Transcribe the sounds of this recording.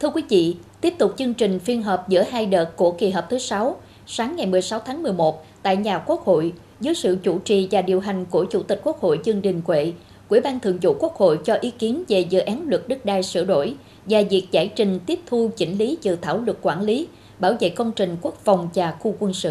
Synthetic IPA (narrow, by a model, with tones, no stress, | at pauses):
t̪ʰɨ˧əkwi˨˦vḭ˧˨t̪i˦˥əp̚t̪ʊ˨˩k͡p̚t͡ɕɨ˧ŋt͡ɕï˨˩ŋ̟fi˧ənɦəː˨˩p̚zɨ̰˧˥əɦaː˧jɗəː˨˩t̚ku˧˩əki˨˩ɦəː˨˩p̚t̪ʰsa˨˦w | saː˨˦ŋːa˨˩jmɨ˨˩əjsa˨˦wt̪ʰaː˨˦ŋmɨ˨˩əjmo˨˩t̚t̪a̰ː˧˨jɲaː˨˩ku˦˥ək̚ho̰˧˨j | zɨː˨˦jsɨ̰˧˨t͡ɕṵ˧˩t͡ɕḭ˨vaː˨˩ɗi˨˩əwɦa˨˩jŋ̟ku˧˩ət͡ɕu˧˩t̪i˨˩k̟̚ku˦˥ək̚ho̰˧˨jt͡ɕɨ˧əŋt͡ɕï˨˩ŋ̟kwḛ˧˨ | kw̰əɓaː˧nt̪ɨ˧˨əŋt͡ɕṵ˧˩ku˦˥ək̚ho̰˧˨jt͡ɕɔ˧ʔi˨˦ki˨˦ənve˨˩zɨ̰˧˨ʔaː˨˦nlwə˨˩t̚ɗɨ˦˥k̚ɗaː˧˩jsɨ̰˧˩ɗo̰˧˩˨j | vaː˨˩vi˨˩ək̚zaː˧˩jt͡ɕï˨˩ŋ̟t̪i˦˥əp̚t̪ʰu˧t͡ɕï˧˩ŋ̟li˨˦t͡ɕɨ̰˨˧˩t̪ʰa̰ː˧˩wlwə˨˩t̚kːwaː˧˩nli˨˦ | ɓaː˧˩wvḛ˧˨kə˧wŋ͡mt͡ɕï˨˩ŋ̟ku˦˥k̚fa˨˩wŋ͡mt͡ɕaː˨˩xu˧kwə˧nsɨ̰˧ʔ